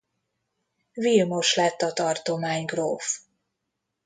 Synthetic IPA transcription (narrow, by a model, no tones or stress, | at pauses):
vilmoʃlɛt̪ːɒt̪ɒrt̪omaːɲɡroːf